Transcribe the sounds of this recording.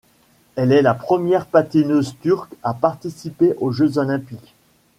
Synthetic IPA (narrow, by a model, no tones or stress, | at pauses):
ɛlɛlapχəmjɛʁpat̪inøzt̪yʁkapaʁt̪isipeʔoʒøzɔlɛ̃pik